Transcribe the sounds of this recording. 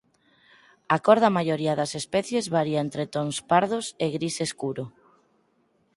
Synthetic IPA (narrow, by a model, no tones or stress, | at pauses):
akɔɾðɐmajoɾiɐðɐsespɛθjezβaɾiaent̪ɾet̪oŋspaɾðoseɣɾiseskuɾo